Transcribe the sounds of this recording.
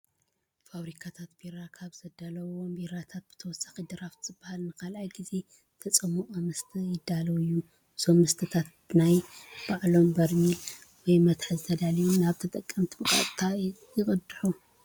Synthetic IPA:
faβɾikʰat̪ʰat̪biɾakʰaβz̥ɐd̪alɐwombiɾat̪ʰat̪̚b̥ɨ̥t̪ʰɐwɔsːḁxid̪ɨɾaft̪z̥ɨbːahalnɨkʰalʔajɡize̞ | t̪ʰɐt͡sʼɨmuʔʼomɨst̪ʰɨjɪd̪ːalɐwɨjːu | somːɨst̪ʰɨt̪ʰat̪̚ | najb̥aʕlo̞mbɐɾmil | wɔjmɐt̪ħɨzɨt̪ʰɐd̪alijumnaβt̪ʰɐt̪ʼɐkʼːɐmt̪ʰibɨkʼa̰t̪ʼt̪ʰajɪkʼɨd̪ːɨħu

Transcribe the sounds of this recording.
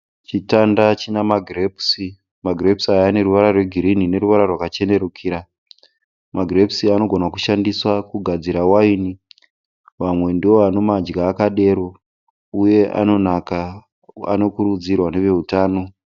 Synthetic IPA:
t͡ʃitandat͡ʃinamaɡʱrepsi | maɡʱrepsiajːne̞ɾuʋaɾarwe̞ɡʱiɾinine̞ɾuʋaɾarwakat͡ʃe̞ne̞ɾukʰiːɾa | maɡrepsiano̞ɡʱo̞nakuʃandiswakuɡʱad͡ziɾawaini | ʋamwe̞ndiwo̞ano̞mad͡ʒɡaːkaɗe̞ɾo̞ | uje̞ʔa̰no̞naka | a̰no̞kuɾud͡zirwane̞ʋe̞utaːno̞

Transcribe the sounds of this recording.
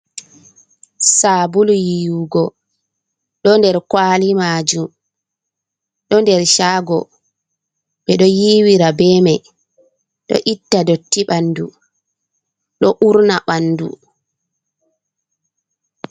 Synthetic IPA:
sabuljiuɡɔ | ɗɔndɛɾkwalimaːd͡ʒum | ɗɔndɛɾʃaːɡɔ̰ | ɓɛɗɔjiwiɾabɛmɛj | ɗɔ̰ʔitːadotːiɓanːdu | ɗɔʔuɾnaɓanːdṵ

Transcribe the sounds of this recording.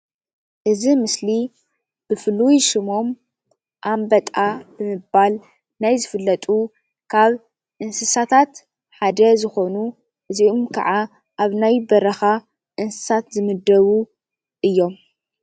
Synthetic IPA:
ʔɨzimɨsli | b̥ɨfɨlujʃɪmo̞m | ʔambɐt̪ʼabɨmɨbal | najzɨfɨlːɐt̪ʼu | kʰaβ | ʔɨnsɨsat̪ʰat̪ | ħad̪ɐzɨxo̞nu | ʔɨziʔomkʰɐ̰ʕa | ʔaβnajbɐɾɐxa | ʔɨnsɨ̥sat̪zɨmɨd̪ɐβu | ʔɨjːo̞m

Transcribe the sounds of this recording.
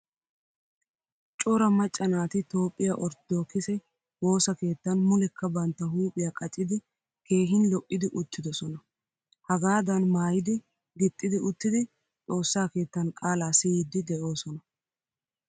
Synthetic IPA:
t͡ʃʼʊɾɐmɐt͡ʃʼːɐnaːt̪ɪt̪o̞ːpʼːɪjaʔɔɾd̪̥oːkɪsɛ | wo̞ːsɐke̞ːt̪ːɐnmʊlɛkːɐbɐnt̪ːɐɦuːpʼɪjakʼɐt͡ʃʼːɪd̪ɪ | ke̞ːɦɪnlɔʔʼːɪd̪ɪʔʊt̪ʰːɪd̪ɔsɔnɐ | hɐɡaːd̪ɐnmaːjɪd̪ɪ | ɡɪt̪ʼːɪd̪ɪʊt̪ːɪd̪ɪ | t͡sʼo̞ːsːaːke̞ːt̪ːɐnkʼaːlaːsɪiːd̪ːɪd̪ɛʔo̞ːsɔnɐ

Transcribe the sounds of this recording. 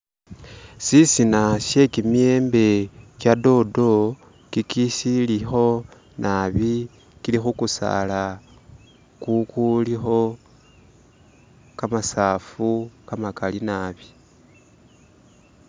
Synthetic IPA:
sisinaʃe̞kimie̞ːmbe̞kjado̞do̞ | kikisilixo̞ | nʔaβi | kilixukusa̰la | kukulixo̞ | kamasaːfukamakalinaβi

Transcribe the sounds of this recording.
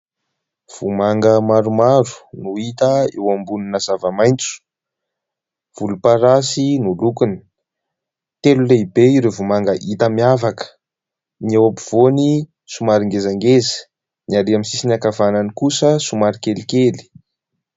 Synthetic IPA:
v̥umaŋɡəmaɾumaɾu̥nuit̪əewambuninazavəmajnt͡su̥ | v̥ulupaɾasinulukunə̥ | t̪eluleibeiɾevumaŋɡəʔit̪əmiavakə̥ | niewapiv̥oni | sumaɾiŋɡezaŋɡezə̥ | niaɾiamisisinakavananikusəsumaɾikelikeli̥

